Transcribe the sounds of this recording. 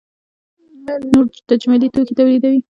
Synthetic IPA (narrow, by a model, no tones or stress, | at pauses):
manoɾt̪ad͡ʒmalit̪oket̪awlid̪awi